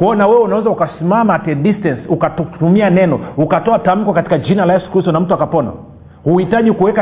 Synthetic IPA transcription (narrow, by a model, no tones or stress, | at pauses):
kuɔnawɛwɛunawɛzaukasimamatɛɗistɛnsukattumianɛnɔukatɔatam̩kɔkatikad͡ʒinalaɛskusɔnam̩tuakapɔna̰ | huhitaʄikuwɛka